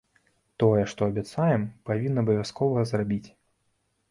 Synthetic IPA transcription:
t̪ɔjɛʂt̪ɔɐbʲat̪sajɛmpavʲinːɐːbɐvʲjaskɔvɐɣɐzrabʲit͡sʲ

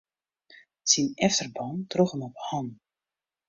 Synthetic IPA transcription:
t͡sinɛftərbɔntrɔχəmɔphɑn

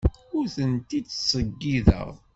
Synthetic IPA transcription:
ʊɾθənt̪id̪sˤəɡːiðə̰ʁ

